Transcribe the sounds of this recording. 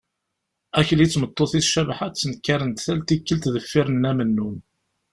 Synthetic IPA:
æçəlit͡sːmət̪ˤːoθiθʃævħat͡sːənkːaɾənt̪θælt̪ikːəlt̪ðəfːɪɾənːæmənːun

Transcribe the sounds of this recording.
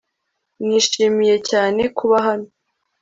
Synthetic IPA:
niːʃiːmije̞caːne̞kʰuβaɦano

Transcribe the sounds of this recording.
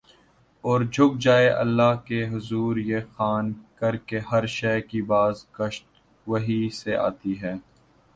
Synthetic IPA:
ɔːɾd͡ʒʱʊɡ̚d͡ʒaːeʔɐ̰lːaɦkeɦʊzuːɾjexaːnkɐɾkeɦɐɾʃɛːkibaːzkɐʃt̪ | ʋɐɦisea̰ːt̪iɦɛː

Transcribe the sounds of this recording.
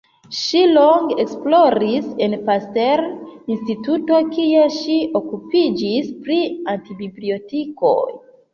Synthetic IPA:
ʃiloŋɡeksploɾise̞npasteɾinstituto̞kieʃio̞kupid͡ʒispɾiantibiblio̞tiko̰j

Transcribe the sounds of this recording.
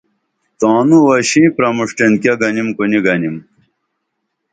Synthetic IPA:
t̪ãːnuwɐɕĩpɾɐmuʂʈenkjɐɡɐnimkuniɡɐnim

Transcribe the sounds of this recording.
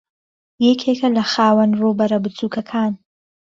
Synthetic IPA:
jekʰekʰɐlɐxaːwɐnruːbɐɾɐbɨt͡sʰuːkʰɐkʰaːn

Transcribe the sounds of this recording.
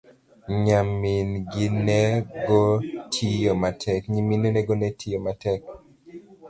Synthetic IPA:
ɲaminɡɪneɡotʰijomatʰɛkɲiminenɛɡonɛtʰijomatɛk̚

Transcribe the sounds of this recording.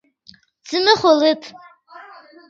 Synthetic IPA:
d͡zɨnɨχʷolɨtʰʼ

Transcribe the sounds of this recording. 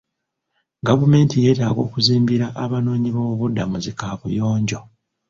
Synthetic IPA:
ɡavume̞ːntije̞ːtaːɡo̞ːkuziːmbiɾaʔaβano̞ːɲiβoβudːamuzikaːβujo̞ːɲɟo̞

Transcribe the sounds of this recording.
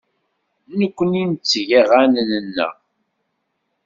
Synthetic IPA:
nəkʷːənint͡sːʝæʁænənənːæ̰

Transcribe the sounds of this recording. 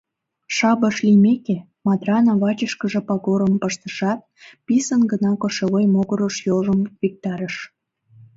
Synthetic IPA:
ʃɑbəʃlimeke | mɑd̪rɑnɑβɑt͡ɕəʃkəʒĕpɑɣoɾəmpəʃt̪əʃɑt̪̚pisənɡənɑkoʃeɣojmoɣəɾoʃjoʒəmvik̚t̪ɑɾəʃ

